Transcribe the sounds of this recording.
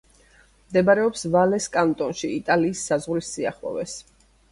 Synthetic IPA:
md̪ɛbaɾɛɔpsvalɛskʼant̪ʼɔnʃiit̪ʼaliːsːazʁɾisːia̰χlˠɔ̰vɛs

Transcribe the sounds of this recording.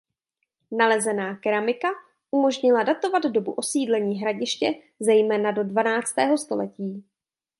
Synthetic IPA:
nalɛzɛnaːkɛɾamɪka | ʔumo̞ʒɲɪladat̪o̞vaddo̞buʔo̞siːdlɛɲiːɦɾaɟɪʃcɛ | zɛjmɛːnado̞dvanaːt͡st̪ɛːɦo̞st̪o̞̰lɛciː

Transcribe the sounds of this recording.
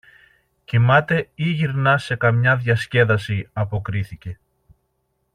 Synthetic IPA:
cimɐt̪e̞iʝiɾnɐse̞kɐmɲɐðʝɐsce̞ðɐsiɐpo̞kɾiθice̞

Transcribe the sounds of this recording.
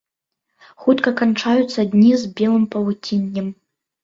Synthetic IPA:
xut̪kɐkant͡ʂajut̪sːɐd̪ʲnʲizbʲɛlˠɨmpɐlutʲʰinʲːɛm

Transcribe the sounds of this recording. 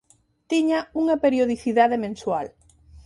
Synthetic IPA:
t̪iɲauŋɐpeɾjoð̞iθiðaðemẽnswal

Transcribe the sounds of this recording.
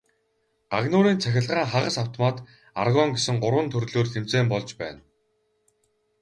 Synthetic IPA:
ɢaɣnʊːɾiːnt͡sʰæxʲɪ̆ɮʁaːŋχaʁə̆saw̥t̪ʰɔmaːt̪ | arɣɔŋɡesɘ̆ŋɢʊɾwə̆nt̪ʰɵrɮoːrxemt͡seːmpɔɮt͡ɕpæːn

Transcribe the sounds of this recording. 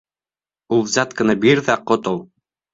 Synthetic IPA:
ulˠzat̪kɤ̆nɑbiɾðæqot̪olˠ

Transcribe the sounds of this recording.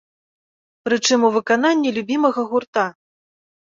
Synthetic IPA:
pɾɨt͡ʂɨmuvɨkan̪anʲːilʲubʲimɐɣɐɣurt̪a

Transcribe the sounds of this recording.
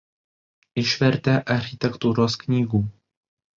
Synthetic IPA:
ʔɪʃvɛɾt̪ɛːʔaɾxɪt̪ɛkt̪uɾoskɲiːɡuː

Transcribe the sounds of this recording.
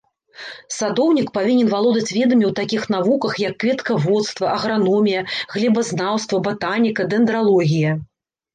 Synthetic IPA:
sad̪ɔwnʲikpavʲinʲɛnvalˠɔd̪ɐt͡sʲvʲɛd̪ɐmʲiwt̪akʲixn̪avukɐxjɐkːvʲɛt̪kɐvɔt̪st̪vɐʔɐɣɾanɔmʲijɐɣlʲɛbɐznawst̪vɐbat̪anʲikɐd̪ɛnd̪ɾalˠɔɣʲijɐ

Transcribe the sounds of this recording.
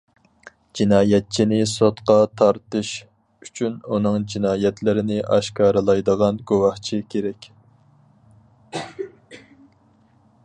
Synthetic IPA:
d͡ʒinɑːjɛt̪̚t͡ʃʰinɪsot̪qɑt̪ʰɑɾt̪ɨʃ | yt͡ʃʰynunɨŋd͡ʒinɑːjɛt̪ʰlɪɾɪnɪʔɑ̰ʃkɑːɾɨlˠɑjd̪əʁɑnɡowɑht͡ʃʰikʲʰeɾɛkʲ

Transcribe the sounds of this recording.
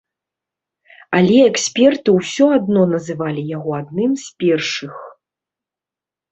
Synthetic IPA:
alʲɛɛksʲpʲɛrt̪ɨwsʲɔad̪nɔnɐzɨvalʲijaɣɔad̪̚nɨmsʲpʲɛrʂɨx

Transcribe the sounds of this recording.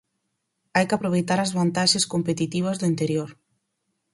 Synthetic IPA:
ajkɪapɾoβ̞ejt̪aɾɐzβant̪aʃeskompet̪it̪iβ̞ɐzðʊint̪eɾjoɾ

